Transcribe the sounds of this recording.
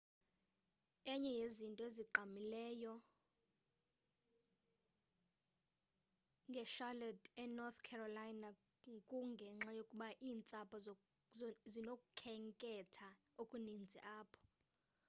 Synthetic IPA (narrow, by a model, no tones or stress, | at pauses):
ɛɲɛjezintʼɔeziǃamilɛːjɔ | ŋɡʱɛʃalɛdɛnɔθkʰɛrɔlajna | kʼuŋɡʱɛŋ͡ǁajokʼuɓaʔiːnt͡sʼapʼɔ | zinokʼukʰɛŋkʼɛtʰa | okʼunind͡zʱiʔaːpʰɔ̥